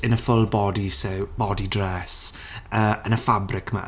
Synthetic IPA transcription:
ɪnəfʊlˠbɔdisɛwb̥ɔdidrɛs | əːənəfabrɪkʰma̰

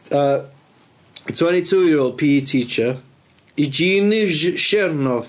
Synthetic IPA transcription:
ə | tʰw̥ɛ̃ntitʰuːjɪɹoːlˠd̚pʰiːtʰiːt͡ʃə | id͡ʒiːnɪʒʃɪɾnɔv

